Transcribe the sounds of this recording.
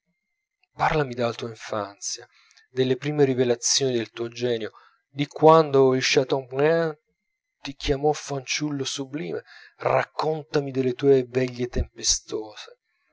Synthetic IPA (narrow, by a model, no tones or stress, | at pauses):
parlamid̪alat̪uːaiɱfant̪sja | d̪elːepɾiːmeɾivelat̪sːjoːnid̪elt̪uːod͡ʒɛːnjo | d̪ikwand̪oilʃat̪ɔŋpa | t̪ikjamɔfant͡ʃulːosublḭːmera̰kːont̪amid̪elːet̪uːevɛʎːet̪empest̪oːze